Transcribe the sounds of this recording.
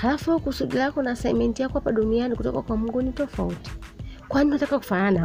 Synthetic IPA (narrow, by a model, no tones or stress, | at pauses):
halafukusuɗilakɔnasajmɛntiakwapaɗunianikutɔ̰kakwamuŋɡunitɔfauti̥kwaininatakaku̥faana